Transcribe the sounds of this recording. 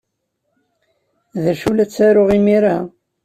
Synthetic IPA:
ðəɾʃulæt͡sːæɾʊʁimiɾa

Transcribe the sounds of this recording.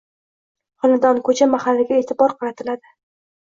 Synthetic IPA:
χʊnɪd̪ɒnkʰɵt͡ʃʰamahalːɪɡʲaet̪ʰɪbɒɾqʰɑɾat̪ʰɪlad̪ɪ

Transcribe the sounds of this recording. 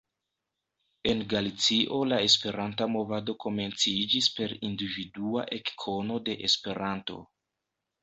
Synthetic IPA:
e̞nɡalit͡siʔo̞lae̞spe̞ɾantamo̞vado̞ko̞me̞nt͡sid͡ʒispe̞ɾindividuaʔe̞kkʰo̞no̞de̞ʔespe̞ɾanto̞̰

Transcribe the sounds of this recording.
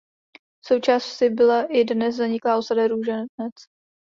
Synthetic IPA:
so̞wt͡ʃaːssɪbɪlaʔɪdnɛszaɲɪklaːʔosadɛɾuːʒɛnɛt͡s

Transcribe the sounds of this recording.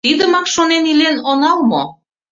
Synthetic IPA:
t̪id̪əmɑkʃonenilenonɑlmo̰

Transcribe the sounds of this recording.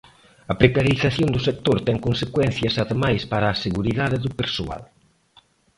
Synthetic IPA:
ɐpɾekaɾiθaθjond̪ʊsek̚t̪oɾt̪ɛŋkonsekwɛn̟θjɐsaðemajspaɾaːseɣuɾiðaðeðʊpeɾso̰a̰l

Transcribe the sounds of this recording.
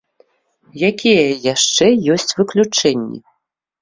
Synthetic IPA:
jakʲʰijɛjaʂt͡ʂɛjɔsʲt͡sʲvɨklʲut͡ʂɛnʲːɛ̰

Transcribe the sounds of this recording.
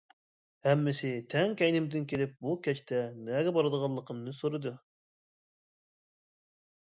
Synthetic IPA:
hɛmːɪsɪt̪ʰɛŋkʲɛjnɪmd̪ɪnkʲʰelɪp̚bukʲɛt͡ʃt̪ʰɛnɛɡʲɛbɑɾɨd̪əʁɑlˠːəqʰəmnɨsoɾɨd̪u

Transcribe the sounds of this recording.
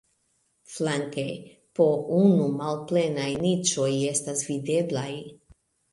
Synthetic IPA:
flaŋkḛ | pounumalple̞najnit͡ʃo̞je̞stasvide̞blaj

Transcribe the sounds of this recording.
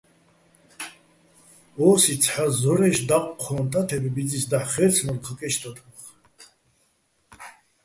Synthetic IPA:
ɔːsit͡sʰħazɔɾɛʃd̪aqʼqʰɔːnt̪ʼat̪ʰɛbɛbid͡zisd̪aħχɛɾt͡sʰnɔlqʰəkʼɛʃt̪ʰɔt̪ʰʼəχ

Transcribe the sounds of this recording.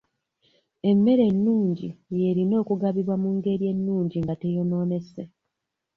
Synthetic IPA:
e̞mːe̞ɾe̞nːuːɲɟije̞ɾino̞ːkuɡaβiβwamuŋɡe̞ɾije̞nːuːɲɟiŋɡate̞jo̞no̞ːne̞se

